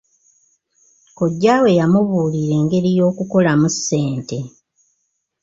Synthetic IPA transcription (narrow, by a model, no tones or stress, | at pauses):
koɟːaːwe̞jamuβuːliɾe̞ːŋɡe̞ɾijo̞ːkuko̞lamusːe̞ːnte̞